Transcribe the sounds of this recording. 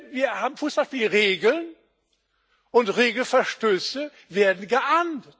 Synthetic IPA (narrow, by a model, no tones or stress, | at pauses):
viːɐhaːbm̩fusbaʃpiːlʁeːɡl̩n | ʔʊntʁeːɡl̩fɛɐʃtøːsə | veːɐdn̩ɡəʔand̩t